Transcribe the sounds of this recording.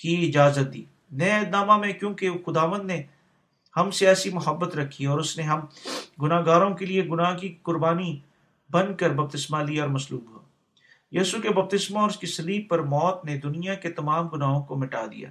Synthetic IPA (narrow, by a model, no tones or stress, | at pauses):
kiɪd͡ʒaːzət̪̚d̪ḭː | nɛd̪naːmamẽkjõːkexʊd̪aːʋə̃nd̪ne | hɐmseɛːsimʊɦəbːət̪ɾɐkʰːiɔːɾʊsneɦɐmɡʊnaːɡaːɾõkelieɡʊnaːɦkikʊɾbaːni | bɐ̃nd̪̚kəɾbɐb̚t̪ɪsmaliɔːɾmɐsluːbɦoː | jiːsukebɐb̚t̪ɪsmaɔːɾʊskisɐliːb̚pɐɾmɔːt̪ned̪ʊnijaket̪ɐmaːmɡʊnaːɦõkomɪʈa̰ːd̪ḭja̰ː